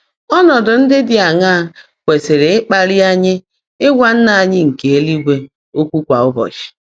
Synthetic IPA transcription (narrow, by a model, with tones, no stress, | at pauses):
ɔ˦nɔ˨dʊ˨n̩˦dɪ˦dɪ˨a˨ŋa˦˨ | kʷe˨se˨ɾe˨ɪ˦k͡pa˦ɾɪ˦a˦ɲɪ˦ | ɪ˦ɡʷa˨n̩˦na˨a˨ɲɪ˦ŋ̩˨ke˨e˦li˦ɡʷe˦ | o˦kʷu˦kʷa˨ʊ˦bɔ̰˨t͡ʃi̥˨